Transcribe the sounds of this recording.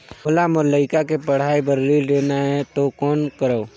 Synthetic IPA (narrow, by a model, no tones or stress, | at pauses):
mʊlamʊɾləɪkakepəɽ̤aːibəɾːiːlɖeːnaɦɛt̪okɔːnkəɾəː